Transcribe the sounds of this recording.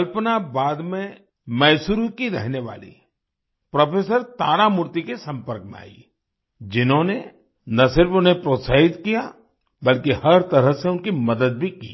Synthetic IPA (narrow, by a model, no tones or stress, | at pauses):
kɐlpnabaːd̪mẽ | mɛːsʊɾukiɾɛɦneʋa̰ːlḭ | pɾɐpeːsəɾt̪aːɾamʊɾt̪ikesɐ̃mpəɾkmḛ̃a̰ːḭ | d͡ʒɪnɦõne | nɐsɪɾfʊnɦepɾoːt̪saːɦɪt̪kija | bɐlkihɐɾt̪ɐɾəɦseʊnkimɐd̪əd̪̚bʱikḭː